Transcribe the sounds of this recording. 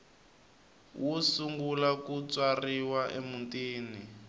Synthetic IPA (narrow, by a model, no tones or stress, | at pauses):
wʔusuŋɡulakut͡swariwaʔḛmuntiːni